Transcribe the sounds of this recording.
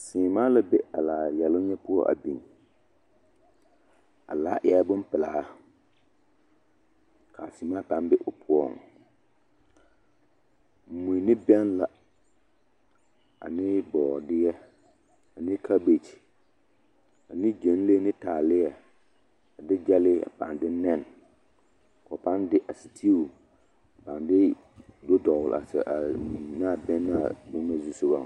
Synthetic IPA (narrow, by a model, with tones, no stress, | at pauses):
sɪː˨maː˦la˦be˦a˨laː˨jɛ˨lʊ˦ɲɛ˦pʊ˦ɔ˦ʔa̰˨bi˨ŋ | a̰˨laː˦ʔɪ˨a˦bʊ˦m˦pɪ˨laː˨˦ | kʰa˨si˨˦maː˦kã˨˦m˦bɪ˦ʔʊ˨pʰʊ˦ɔ̰˦˨ŋ | m̩˨mũ˨nɪ˦bɛ˦nla˨ | a̰˨nɪ˦bɔː˨dɪ˦jɛ˦ | a˨nɪ˦kʰa˦be˨t͡ʃ | a˨nɪ˦d͡ʒe˨n˦le˦nɪ˦taː˨lɪ˦jɛ˨ | a˨dɪ˦d͡ʒɛ˦lɪ˦a̰˨pa̰˨ndɪ˦nɛ˦˨n | kɔ˨pa˦ndɪ˦ʔa˨si˨tʰi˦˨ | a˨pa˨nbɛ˦ | do˦dɔ˨wʊ˨la̰˨sɛ̰˨ʔa˨naː˦˨bɛ˦nː˦a˦a̰˨du˦na˦zu˦sʊ˦ba˦˨